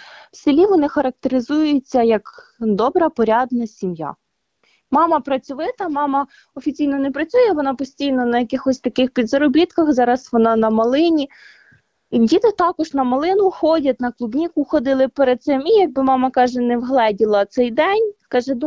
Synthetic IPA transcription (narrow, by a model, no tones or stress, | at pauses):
wsɪlʲiʋɔnɪxɐɾɐk̚t̪eɾɪzujet͡sʲːɐjɐkd̪ɔbɾɐpɔɾʲad̪nɐsʲimja̰ | mɑmɐpɾɐt͡sʲʊʋɪt̪ɐmɑmɐ | ɔfʲit͡sʲijnɔnɛpɾɐt͡sʲujɛʋɔnɑpɔsʲtʲijnɔnɐjɐkɪxɔsʲt̪ɐkɪxpʲid̪zɐɾɔbʲit̪kɐxzɑɾɐsʋɔnɑnɐmɐlˠɪnʲi | dʲit̪ɪt̪ɑkɔʒnɐmɐlˠɪnʊxɔdʲɐt̪ʲnɐklˠʊbnʲikʊxɔd̪ɪlˠɪpeɾed̪̚sɪmʲijɐɡ̚bɪmɑmɐkɑʒɛnɛwɦlˠɛdʲilˠɐt̪sɛjd̪ɛnʲkɑʒɛd̪